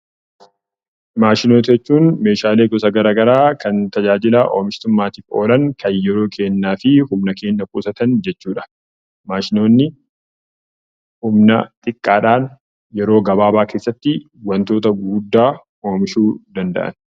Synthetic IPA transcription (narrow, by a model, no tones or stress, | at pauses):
maːʃɪnoːt̪ɐɛt͡ʃːuːnme̞ːʃaːle̞ːɡɔsɐɡɐɾaːɡɐɾaːkɐnt̪ɐd͡ʒaːd͡ʒɪlɐʔo̰ːmɪʃt̪ʊmːaːt̪iːfo̞̰ːlɐŋkʰɐnjɛɾo̞ːkʰe̞ːnːaːfɪhʊmnɐke̞ːnːɐkṵːsɐt̪ɐnd͡ʒɛt͡ʃːuːᶑɐ̥ | maːʃɪno̞ːnːɪ | hʊmnɐt̪ʼɪkʼːaːᶑaːn | jɛɾo̞ːɡɐbaːbaːke̞ːsːɐt̪ːɪ | wɐnt̪o̞ːt̪ɐɡuːd̪ːaː | oːmɪʃuːd̪ɐnd̪ɐ̰ʔɐ̰n